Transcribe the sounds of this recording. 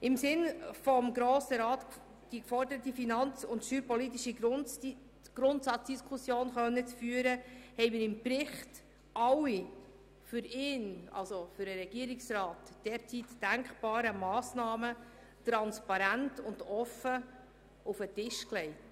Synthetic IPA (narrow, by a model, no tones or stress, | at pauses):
ɪmsɪnfɔmɡɾoːsəɾɑːt | d̥ikfɔrdəɾət̪ifinɑnt͡sʊntʃyːɾpɔlit̪̬ːiʃi | ɡ̥ɾʊntsɑt͡sd̥iskʰusjoːnχœnːət͡sfyːəɾəhɛɪmɪɾɪmpɾɪχt | ʔɑwi | fʏɾɪːnɑ̰lsofʏɾəɾɛɡ̥iəɾɪksɾɑːtd̥ɛːɾt͡sitːæŋkχb̥ɑːɾəmɑːsnɑːmə | tɾɑnspɑɾæntʊndɔfə | ufətɪʃklɛɪt